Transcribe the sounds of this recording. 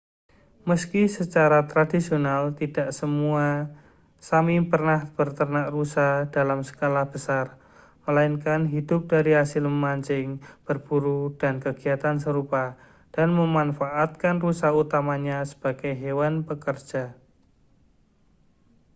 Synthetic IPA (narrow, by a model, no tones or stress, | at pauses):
məskisət͡ʃaɾat̪ɾadisionalt̪id̥aʔsəmua | samipərnahb̥ərt̪ərnaʔrusahd̥alamsə̥kalahb̥əsar | məlainkanɦid̥ʊp̚d̥aɾiɦasɪlməmaɲt͡ʃɪŋb̥ərb̥uɾud̥ankəɡ̥iat̪ans̬əɾupa | d̥anməmanfaʔːt̪̚kanrusahut̪amaɲasə̥b̥a̤ɡ̥ajɦewanpəkər̥d͡ʒ̥a